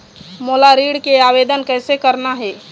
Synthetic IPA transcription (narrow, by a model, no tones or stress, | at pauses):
moːlaɾiːɽkeaːʋeːd̪ənkɛːsekəɾnaɦɛː